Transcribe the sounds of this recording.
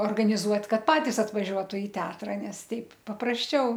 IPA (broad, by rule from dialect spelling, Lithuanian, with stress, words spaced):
oːrɡɐnʲɪˈzuɔt ˈkɐt ˈpɑːtʲɪs ɐtʋɐˈʒʲuɔtʊ ɪ ˈtʲɛɐtrɐ ˈnʲɛs ˈtʲɛɪp pɐprɐsʲˈt͡ʃʲɛʊ